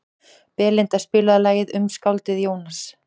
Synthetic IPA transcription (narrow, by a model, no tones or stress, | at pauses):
pɛːlɪnt̪aspɪːlaðalaːjɪðʏmskawlt̪ɪðjoːwnas